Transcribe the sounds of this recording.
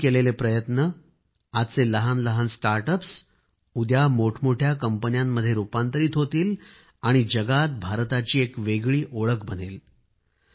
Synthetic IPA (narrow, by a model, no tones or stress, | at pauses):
kelelepɾəjət̪nə | ad̪t͡seləɦanləɦansʈaɾʈəps | ud̪jamoʈʰmoʈʰjakəmpənjamːəd̪ʱːjeɾupant̪əɾiːt̪ɦot̪iːl | aɽ̃id͡ʑəɡat̪̚bʱaɾt̪at͡ɕiːekʋeɡɭiːʔoɭəkbənel